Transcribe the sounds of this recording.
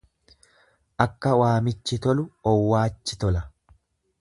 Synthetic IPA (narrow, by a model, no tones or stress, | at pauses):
ʔɐkːɐwaːmɪt͡ʃːɪt̪ɔlʊɔwːaːt͡ʃːɪt̪ɔlɐ